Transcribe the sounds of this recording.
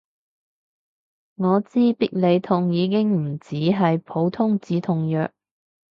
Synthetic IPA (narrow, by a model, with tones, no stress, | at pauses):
ŋɔː˨˧t͡siː˥pi˥k̚le˨˧jt̪ʰʊ˨ŋjiː˨˧kɪ˥ŋm̩˨˩t͡siː˨˥ɦɐ˨jpʰo˨˥wt̪ʰʊ˥ŋt͡siː˨˥t̪ʰʊ˨ŋjœː˨k̚